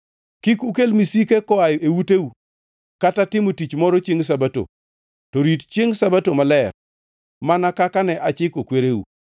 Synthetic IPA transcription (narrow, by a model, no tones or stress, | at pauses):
kikukelmisikekɔajewuteu | katatɪmotit͡ʃmɔɾɔt͡ʃeŋs̬abato̰ | tɔɾitt͡ʃjeŋsabatomalɛr | manakakanɛʔat͡ʃɪkokweɾewṵ